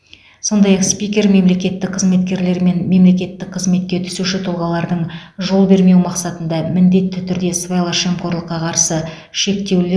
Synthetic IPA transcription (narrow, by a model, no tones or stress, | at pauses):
so̞nd̪ɑjɑqspijkʲe̞ɾme̞mle̞kʲe̞t̪ːɪk̚qʰəzme̞t̪kʲe̞ɾle̞ɾme̞nme̞mle̞kʲe̞t̪ːɪk̚qʰəzme̞t̪̚kʲe̞t̪ʰʏ̥suʃɪt̪ʰʊlˠʁɑlˠɑɾd̪əɴʒo̞lˠbe̞ɾme̞wmɑqsɑt̪ənd̪ɑmɪnd̪e̞t̪ːɪt̪ʰʏɾd̪e̞svejlˠɑʃemqkʰo̞ɾlˠəqːɑqʰɑɾsə | ʃe̞kt̪e̞wle